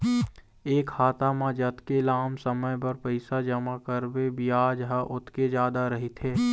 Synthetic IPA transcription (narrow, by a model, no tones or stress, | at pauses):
eːkhaːt̪amãd͡ʒɐt̪kelaːmsəməjbɐɾpəɪsad͡ʒɐmakəɾbebɪjaːd͡ʒɦaʔʊt̪ked͡ʒjaːd̪aɾɐɦit̪ʰeː